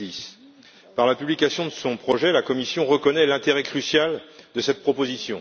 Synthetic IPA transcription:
is | paʁlapyblikʲasjɔ̃d̪əsɔ̃pχɔʒɛlakɔmisjɔ̃ʁəkɔnɛlɛ̃t̪eʁɛkχysjald̪əsɛt̪̚pχɔpozisjɔ̃

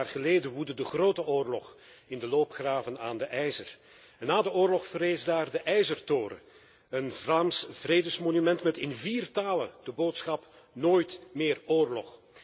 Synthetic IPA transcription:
rχəleːdənʋudədəχroːtəʔoːrlɔ̰χ | ɪndəloːpχraːvənaːndəʔɛjzər | ɛnːaːdəoːrlɔχfəɾeːzdaːrdəʔɛjzərtoːɾə̰ | ənvraːmsvreːdəsmonymɛntmɛtɪnviːrtaːlənd̥əboːtsxɑp | noːjtmɪːroːrlɔχ

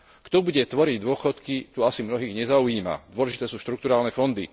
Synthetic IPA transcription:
kt̪ɔbuɟɛt̪ʋɔɾiɟd̪ʊɔxɔt̪kit̪uasimnɔɦiːɣɲɛzauiːma̰d̪ʊɔlɛʒit̪ɛːsuːʃt̪ɾuk̚t̪uɾaːlnɛfɔnd̪i

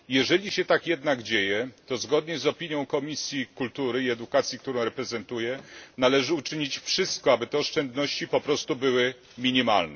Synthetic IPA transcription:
jɛʐɛlʲiɕɛt̪akjɛd̪naɡd͡ʑejɛt̪ɔzɡɔd̪ɲɛzɔpʲiɲjɔ̃w̃kɔmʲisʲjikult̪uɾɘiɛd̪ukat̪sʲjikt̪uɾɔ̃w̃ɾɛpɾɛzɛnt̪ujɛnalɛʐɘut͡ʂɘɲit͡ɕfʂɘst̪̚kɔabɘt̪ɛɔʂt͡ʂɛnd̪nɔɕt͡ɕipɔpɾɔst̪ubɘwɘ | mʲiɲima̰lnɛ

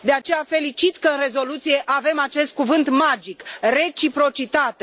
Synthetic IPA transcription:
d̪eat͡ʃe̞jafe̞lit͡ʃit̪kəɨnre̞zo̞lut̪sije̞ʔave̞mat͡ʃe̞st̪̚kuvɨnt̪mad͡ʒikre̞t͡ʃipɾo̞t͡ʃit̪at̪e

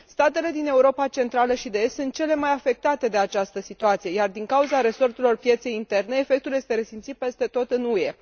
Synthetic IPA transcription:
st̪at̪e̞le̞d̪ine̞uɾo̞pat͡ʃe̞nt̪ɾaləʃid̪e̞est̪sunt̪̚t͡ʃe̞le̞majafe̞k̚t̪at̪e̞d̪e̞at͡ʃast̪əsit̪uat̪sijejard̪iŋkauzaɾe̞so̞rt̪elo̞rpje̞t̪se̞jint̪e̞rneːfe̞k̚t̪ulje̞st̪e̞ɾe̞simt̪sit̪̚pe̞st̪e̞t̪o̞t̪ɨnuje̞

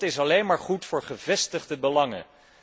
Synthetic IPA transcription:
tɪsɑlejnmaːɹχutfʊːɹχəvɛstəχdəbəlɑŋə̰

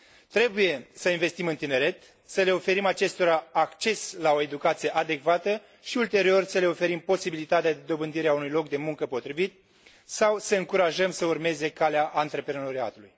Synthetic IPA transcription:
t̪ɾe̞buje̞səinve̞st̪imɨnt̪ine̞ɾe̞t̪ | səle̞o̞fe̞ɾimat͡ʃe̞st̪o̞ɾaːkt͡ʃe̞slao̞e̞d̪ukat̪sije̞ʔad̪e̞kvat̪ə | ʃiult̪e̞ɾio̞rsəle̞o̞fe̞ɾimpo̞sibilit̪at̪ead̪e̞d̪o̞bɨnd̪iɾeaunujlo̞k̚d̪e̞muŋkəpo̞t̪ɾivit̪ | sawsəɨŋkuɾaʒəmsəurme̞ze̞kaleaʔant̪ɾe̞pɾeno̞ɾia̰t̪ulṵj

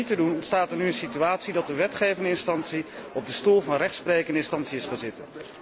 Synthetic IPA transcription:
itədunstaːtənyənsityaːtsidɑt̚dəʋɛtχejvɪndəɪnstɑntsiɔb̚dəstulˠvɑnrɛχtsprejkəndəɪnstɑntsiɪsχanzɪtə

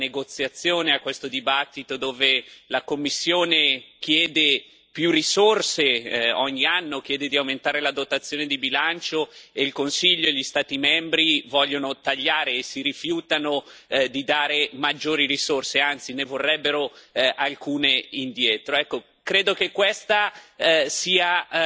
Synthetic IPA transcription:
neɡot̪sːjat̪sːjoːneakːwest̪od̪ibat̪ːit̪od̪oːvelakomːisːjoːnek̟jɛːd̪e | pjurisorseɔɲːianːok̟jɛːd̪ed̪iawment̪aːɾelad̪ot̪at̪sːjoːned̪ibilant͡ʃoeilkonsiʎːoeʎist̪aːt̪imɛmbɾivɔʎːonot̪aʎːaːɾeːsiɾifjuːt̪anod̪id̪aːɾemad͡ʒːoːɾiɾisorseant̪sinevorːɛbːeɾoʔalkuːneind̪jɛːt̪ɾoɛkːo | kɾeːd̪okekːwest̪a | siːa

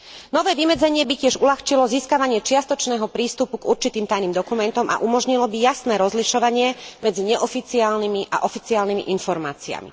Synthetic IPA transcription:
nɔʋɛːʋimɛd͡zɛɲɪɛbicɪɛʒulaxt͡ʃilɔziːskaʋaɲɪɛt͡ʃɪast̪ɔt͡ʃnɛːɦɔpɾiːst̪upuɡuɾt͡ʃit̪iːmt̪ajniːmd̪ɔkumɛnt̪ɔmʔa̰ʔumɔʒɲilɔbijasnɛːɾɔzliʃɔʋaɲɪɛmɛd͡ziɲɛʔɔfit͡siaːlnimiʔa̰ʔɔfit͡siaːlnimḭʔinfɔɾma̰ːt͡sia̰mḭ

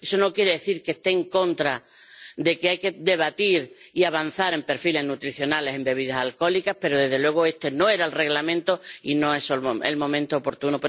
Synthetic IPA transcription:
eso̞no̞kje̞ɾeðe̞θiɾke̞st̪e̞ːŋkõ̞nt̪ɾa | ðe̞keajke̞ðe̞β̞at̪iɾiaβ̞an̟θaɾe̞mpe̞ɾfile̞ɦnut̪ɾiθjo̞nale̞se̞mbe̞β̞iðasalko̞likahpe̞ɾoðe̞ðe̞lwe̞ɣ̞oe̞st̪e̞no̞e̞ɾaelre̞ɣlamẽnt̪oino̞e̞solḛlmõ̞mẽnt̪oːpo̞ɾt̪unop

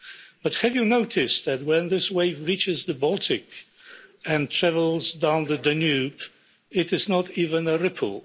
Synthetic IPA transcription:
b̥ʌt̚hɨvjɨnoʊtʰɪsðɨt̚wə̃nðɪsweɪvɹit͡ʃɨzðəbɔlˠtʰɪk | ɨ̃ntʰɹ̥ævəl̩ˠzdãʊ̃nðɨdɨnʉp | ɪɾɨznətivə̃nəɹɪpʰl̩ˠ

